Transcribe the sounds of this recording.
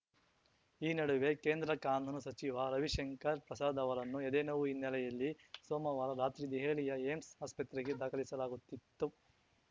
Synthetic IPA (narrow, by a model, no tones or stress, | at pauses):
iːnɐɽuʋe̞keːnd̪ɾɐkaːnd̪ʱunusɐt͡ʃiʋɐɾɐʋiʃeŋkɐɾpɾɐsaːd̪ɐʋɐɾɐnːued̪eːnɐʋuinːɛlɛjɐlːisoːmɐʋaːɾɐɾaːt̪ɾid̪eɦeːlijɐeːmsaːspɐt̪ɾiɡed̪aːkʰɐlisɐlaːɡut̪ːit̪ːu